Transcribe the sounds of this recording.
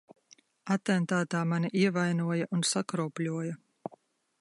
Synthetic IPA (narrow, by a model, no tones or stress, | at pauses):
at̪ɛnt̪aːt̪aːmaniʔiɛvajnuɔjaʔunsakɾɔːplʲuɔjɐ